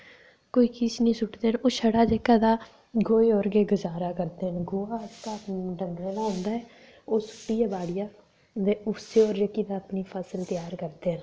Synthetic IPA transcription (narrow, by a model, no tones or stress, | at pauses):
koːiːkiːsnĩːsʊʈd̪eːɦənoːʃʰəɽaːd͡ʒeːkaːd̪aː | ɡoːeːɔːɾɡeːɡʊzaːɾaːkəɾd̪eːɦənɡoːaːkaːɖəŋɡɽeːlaːɦʊ̃ːnd̪aːɛː | oːsʊ̥ʈːiːjaːbaːɽɪjaː | d̪eːʊseːɔːɾd͡ʒəkːiːd̪aːəpniːpʰəsəlt̪ɪjaːɾkəɾd̪eːɦən